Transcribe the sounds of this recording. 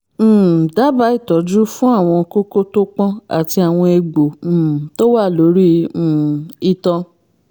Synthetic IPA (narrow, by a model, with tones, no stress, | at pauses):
da˦ba˨˦i˦˨tɔ˨˦d͡ʒu˦fũ˦a˦˨w̃ɔ̃˧ko˦ko˦to˦k͡pɔ̃˦a̰˨ti˧a˨w̃ɔ̃˧e˧ɡ͡bõ˨to˦wa˦˨lo˨˦ɾĩ˦˨ | i˦˧tɔ̃˧